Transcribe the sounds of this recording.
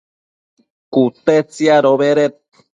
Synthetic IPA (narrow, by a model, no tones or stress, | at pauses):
kut̪et͡siaɾoβeɾet̪̚